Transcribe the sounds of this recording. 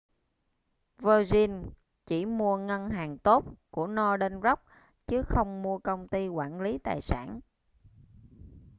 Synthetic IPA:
vəː˧zi˧n | t͡ɕi˧˩mu˧əŋə˧nɦaː˨˩ŋt̪o˦˥t̚ku˧˩ənɔ˧ɗə˧nzə˦˥k͡p̚ | t͡ɕɨ˨˦xə˧wŋ͡mmu˧əkə˧wŋ͡mt̪i˧kwaː˧˩nli˨˦t̪a̰ː˨˩jsa̰ː˧˩n

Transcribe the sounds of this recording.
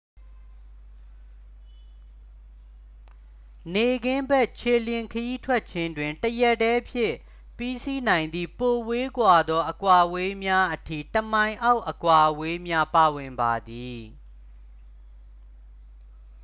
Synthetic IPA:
ne˨ɡɪ̃˦mbɛ˦˨ʔt͡ɕʰe˨ljɪ̃˨ŋkʰəji˦tʰwɛ˦t̚t͡ɕʰɪ̃˦ndwɪ̃˨ntəjɛ˦˨tːɛ˦pʰjɪ̰̃˦˨ | pi˦si˦nã˨ɪ̃nd̪ḭ˦˨po˨we˦kwa˨d̪ɔ˦ʔəkwa˨we˦mja˦ʔətʰḭ˦˨təmã˨ɪ̃ʔa˦ʊʔəkwa˨ʔwe˦mja˦pa˨wɪ̃˨mba˨d̪i˨

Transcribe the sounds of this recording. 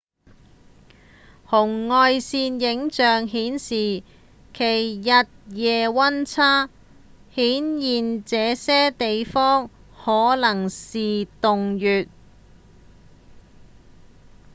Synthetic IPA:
hʊ˨˩ŋːɔː˧jsiː˧njɪ˨˥ŋt͡ʃœː˨ŋɦiː˨˥nsiː˨ | kʰe˨˩jːɐ˨t̚jɛː˨wɐ˥nt͡sʰaː˥ | hiː˨˥njiː˨nt͡sɛː˨˧sɛː˥t̪e˨jfɔː˥ŋ | hɔː˨˥lɐ˨˩ŋsiː˨t̪ʊ˨ŋjyː˨t̚

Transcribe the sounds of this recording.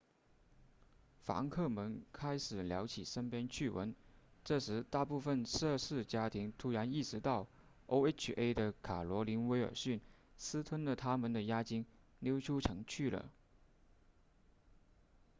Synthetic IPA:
fa̰˧˥ŋkʰɤ˥˩mə˧˥nkʰa˥ɪʂɻ̩˨˩ljɑ̰˧˥ʊt͡ɕʰḭ˨˩ʂə˥npjɛ˥nt͡ɕʰy˥˩wə̰˧˥nʈ͡ʂɤ˥˩ʂɻ̩˧˥t̪a˥˧pu˥˩fə˧nʂɤ˥˧ʂɻ̩˥˩t͡ɕja˥t̪ʰi˧˥ŋt̪ʰu˧˥ɻa˧˥ni˥˩ʂɻ̩˧˥t̪ɑ˥˩ʊ | o˥ʊe˥ʈ͡ʂʰe˥ɪd̪ə˨kʰa˨˩lwɔ˧˥li˧˥nwe˧˥ɪə̰˞˨˩ɕy˥˩n | sɹ̩˥t̪ʰwə˥nlə˨t̪ʰa˥mə˨nd̪ə˩ja˥t͡ɕi˥ŋ | ljo˥ʊʈ͡ʂʰu˥ʈ͡ʂʰɤ˧˥ŋt͡ɕʰy˥˩lə̰˩

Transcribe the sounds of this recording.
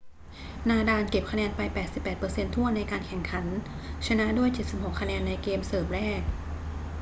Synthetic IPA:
naː˧daː˧nke˨˩p̚kʰa˧nɛː˧npa˧jpɛː˨˩t̪̚si˨˩pːɛː˨˩pɤː˧se˧nt̪ʰu˥˩ənːa˧jkaː˧nkʰɛ˨˩ŋkʰa˩˦n | t͡ɕʰa˧na˦˥ʔdu˥˩əjt͡ɕe˨˩t̪̚si˨˩p̚ho˨˩kʰːa˧nɛː˧nːa˧jkeː˧msɤː˨˩m̚ɾɛː˥˩k̚

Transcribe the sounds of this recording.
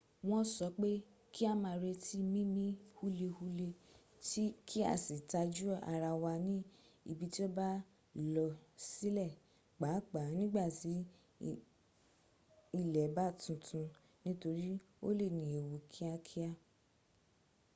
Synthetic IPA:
w̃ɔ̃˦sɔ˨˦k͡pe˦ | ki˦a˦mãː˧ɾe˧ti˦mĩ˦mĩ˦hu˦le˧hu˧le˧ | ti˦kʰi˦a̰˦˨si˨ta˧d͡ʒu˦a̰˧ɾa˧wa˧nĩ˦ḭ˧˨bi˧˦ti˦o˦ba˦˨ | lɔ˨si˨˦lɛ˦˨ | k͡pa˨˦k͡pa˨˦nĩ˦ɡ͡ba˦˨ti˨˦ | i˨lɛ˨ba˦˨tũ˧˦tʰũ˨˧ | nĩ˦to˧ɾi˦ | o̰˦le˦˨nĩ˨e˨wu˨kʰi˦a˧kʰi˦a˦

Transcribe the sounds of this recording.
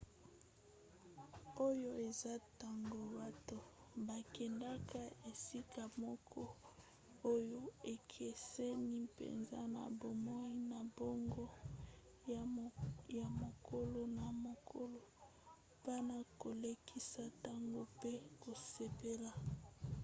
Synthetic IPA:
o˦jo˦e˨za˦ta˦ŋɡo˦ba˦to˦ | ba˨kɛ˨nda˦ka˦e˨si˦ka˨mɔ˦kʰɔ˦ | o˦jo˦e˨kʰe˨se˦ni˦pḛ˨nza̰˦na̰˨bo˨mo˦i˦na˨bo˦ŋɡo˦ | ja˨mo˨kʰo˦lo˦na˨mo˨kʰo˦lo˨ | pa˦na˨ko˨le˦kʰi˦sa˦ta˦ŋɡo˦pe˦ko˨se˨pe˦la˨

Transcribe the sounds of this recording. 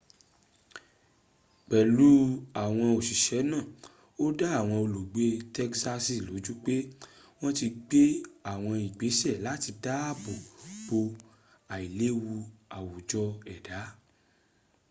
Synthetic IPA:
k͡pɛ˨lu˨˦a˦˨w̃ɔ̃˧o˨ʃi˨ʃɛ˨˦nã˦˨ | o˦da˦a˦˨w̃ɔ̃˧o˧lo˨ɡ͡be˧˦tɛ˦ksa˧si˦˨lo˨˦d͡ʒu˦k͡pe˦ | w̃ɔ̃˦ti˧ɡ͡be˦a˨w̃ɔ̃˧i˨ɡ͡be˨˦sɛ˦˨la˨˦ti˧da˦a˦˨bo˨b̥o˧ | a˨i˨le˦wu˧a˨wo˨d͡ʒɔ˧ɛ˨da˨˦

